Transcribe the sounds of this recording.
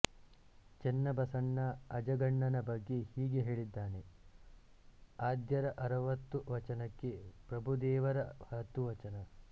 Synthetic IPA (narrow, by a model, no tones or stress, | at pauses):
t͡ʃenːɐbɐsɐɳːɐɐd͡ʒɐɡɐɳːɐnɐbɐɡːe̞hiːɡe̞ɦe̞ːɭid̪ːaːne̞ | aːd̪jɐɾɐʔɐɾɐʋɐt̪ːuʋɐt͡ʃɐnɐkːe̞pɾɐbʱud̪ɛːʋɐɾɐhɐt̪ːuʋɐt͡ʃɐnɐ